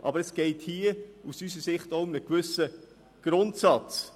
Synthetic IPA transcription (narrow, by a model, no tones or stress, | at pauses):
ʔɑ̰bəɾɛsɡ̥ɛɪthiːəusysəsɪχtoʊmnəkvʏsə | ɡ̥ɾʊntsɑt͡s